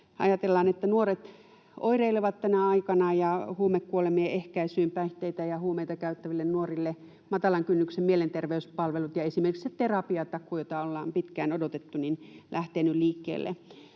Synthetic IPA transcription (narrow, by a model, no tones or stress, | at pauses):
ɑ̰jɑt̪elːɑːnet̪ːænuoret̪ | o̰ireileʋɑt̪t̪ænæɑikɑnɑjɑhuːmekkuolemieehkæisyːmpæiht̪eit̪æjɑhuːmeit̪ɑkæyt̪ːæʋilːennuorilːe | mɑt̪ɑlɑŋkynːyksemmielent̪erʋeyspɑlʋelut̪jɑesimerkisett̪erɑpiɑt̪ɑkːujot̪ɑolːɑːmpit̪kæːnodot̪et̪ːuninlʔæht̪eːnylliːkːḛːlːḛ